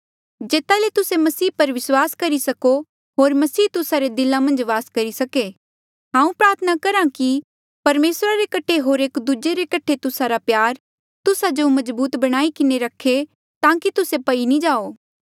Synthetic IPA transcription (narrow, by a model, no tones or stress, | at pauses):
d͡ʒeːt̪alet̪ʊsemɐsiːpɐɾʋɪswaːskɐɾisɐko | ɦoːɾmɐsiːt̪ʊsaɾed̪ɪlãmɐ̃nd͡ʒʋaːskɐɾisɐke | ɦãːũpɾaːɾt̪ʰənakɐɾãki | pɐɾmeːsɾaɾekɐʈʰeɦoːɾeːkd̪ud͡ʒeɾekɐʈʰet̪ʊsaɾapjaːɾ | t̪ʊsad͡ʒomɐzbuːt̪bɐɽ̃aːikɪneɾɐkʰːe | t̪ãːkit̪ʊsepɐinĩd͡ʒaːoː